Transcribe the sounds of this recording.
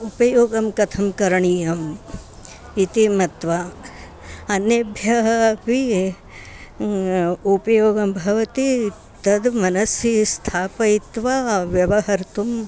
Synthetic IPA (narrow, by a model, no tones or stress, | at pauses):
upɐjoːɡɐmkɐt̪ʰɐmkɐɾɐɳijɐm | it̪imɐt̪ʋa | ɐnjɐbʱjɐɦɐpi | upɐjoːɡɐmbʱɐʋɐt̪i | t̪ɐd̪mɐnɐsjist̪ʰaːpɐit̪ʋaʋjɐʋɐɦɐɾt̪um